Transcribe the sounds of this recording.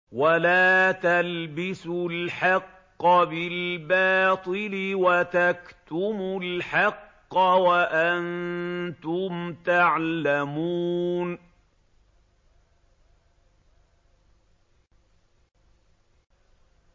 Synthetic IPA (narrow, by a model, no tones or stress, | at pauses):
walaːt̪albɪsʊlħɑqːɑbɪlbɑːt̪ˤɨlɪwat̪akt̪ʊmʊlħɑqːɑwaʔant̪ʊmt̪aʕlamuːn